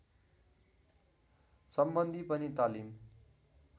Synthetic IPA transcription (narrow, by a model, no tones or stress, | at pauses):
sʌmbʌnd̪ʱipʌnit̪alim